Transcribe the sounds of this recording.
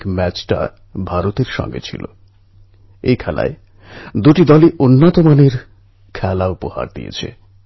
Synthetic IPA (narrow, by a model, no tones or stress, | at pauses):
kmɛt͡ɕʈa̰ | bʱaɾot̪eɾʃɔ̰ŋɡḛt͡ɕʰḭlo | ejkʰɛla̰e | d̪uʈid̪ɔliʔonːat̪omaneɾ | kʰɛlaupoha̰ɾd̪ḭjḛt͡ɕʰḛ